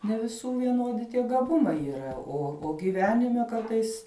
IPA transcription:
nʲɛ ʋʲɪˈsuː ʋʲiɛˈnoːdʲɪ tʲiɛ ɡɐˈbʊmɐɪ iːˈrɐ oː oː ɡʲɪˈʋʲæːnʲɪmʲɛ ˈkɐrtɐɪs

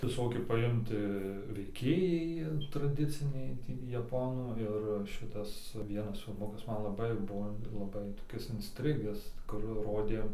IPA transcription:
ʋʲɪˈsoːkʲiɛ pɐˈɪmtɐ ʋʲɛɪˈkʲeːjɛɪ trɐˈdʲɪt͡sʲɪnʲɛɪ ˈtʲiː jɛˈpoːnuː ˈɪr ˈʃʲɪtɐs ˈʋʲiɛnɐs fʲɪlˠˈmʊkɐs ˈmɐn lˠɐˈbɐɪ ˈbuɔ lˠɐˈbɐɪ toːˈkʲɪs ɪnʲsʲˈtʲrʲɪɡʲæːs kʊr ˈroːdʲeː

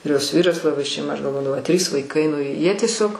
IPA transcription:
ɪr ˈjoːs ˈʋʲiːrɐs lˠɐˈbɐɪ ʃʲɛɪˈmɐ ˈɐʃ ɡɐlˠˈʋoːdɐʋɐʊ ɐ tʲrʲiːs ʋɐɪˈkɐɪ nʊ ˈjiɛ tʲiɛˈsʲoːk

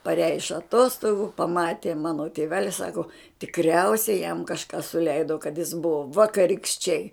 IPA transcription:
pɐˈrʲæːjɛ ɪʃ ɐˈtoːstoːɡʊ pɐˈmɑːtʲeː ˈmɑːnoː tʲeːˈʋʲæːlʲɪ ˈsɑːkoː tʲɪkˈrʲɛʊsʲɛɪ jɛm kɐʃˈkɑː sʊˈlʲɛɪdoː kɐt jɪs ˈbʊʋoː ʋɐkɐrʲɪkʃʲˈt͡ʃʲɛɪ

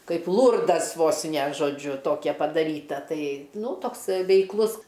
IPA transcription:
ˈkɐɪp ˈlˠʊrdɐs ˈʋoːs nʲɛ ʒoːˈd͡ʒʲʊ ˈtoːkʲɛ pɐdɐˈrʲiːtɐ ˈtɐɪ ˈnuː ˈtoːks ʋʲɛɪkˈlˠʊs

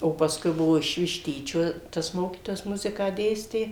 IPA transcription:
oː pɐsˈkʊɪ ˈbʊʋoː ɪʃ ʋʲɪʃʲˈtʲiːt͡ʃʲoː tɐs ˈmoːkʲiːtoːjɛs ˈmʊzʲɪkɑː ˈdʲeːsʲtʲeː

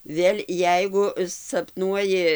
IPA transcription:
ˈʋʲeːlʲ ˈjɛɪɡʊ sɐpˈnuɔjɪ

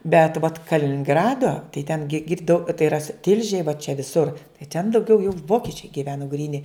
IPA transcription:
bʲɛt ʋɐt kɐlʲɪnʲɪŋˈɡrɑːdoː tɐɪ tʲɛn ɡʲɪ ˈɡʲɪrdɐʊ tɐɪ ɪˈrɐ sʊ ˈtʲɪlʲʒʲeːj ʋɐ t͡ʃʲɛ ʋʲɪˈsʊr tɐɪ tʲɛn dɐʊˈɡʲɛʊ jɛʊ ˈʋoːkʲɪt͡ʃʲɛɪ ɡʲɪˈʋʲæːnʊ ɡrʲiːˈnʲɪ

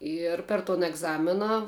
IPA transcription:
ˈɪr pʲɛr toːn ɛɡˈzɑːmʲɪnɐ

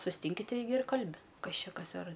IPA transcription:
sʊsʲˈtʲɪŋʲkʲɪ ˈtʲɛɪɡʲɪ ɪr ˈkɐlʲbʲɪ ˈkɐs ˈt͡ʃʲɛ ˈkɐs ɐr

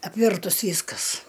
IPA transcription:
ɐpʲˈʋʲɪrtʊs ˈʋʲiːskɐs

